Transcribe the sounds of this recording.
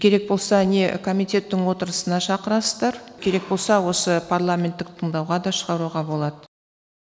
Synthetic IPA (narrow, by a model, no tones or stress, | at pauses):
kʲʰe̞ɾe̞k̚bo̞lˠsɑne̞kʰo̞mijt̪ʲe̞t̪ːɪɴwo̞t̪əɾəsənɑʃɑqəɾɑsəzd̪ɑɾkʲʰe̞ɾe̞k̚bo̞lˠsɑwo̞səpʰarlˠamʲe̞nt̪ːɪk̚t̪ʰəɴd̪ɑwʁɑd̪ɑʃəʁɑɾuʁɑbo̞lˠɑd̪ə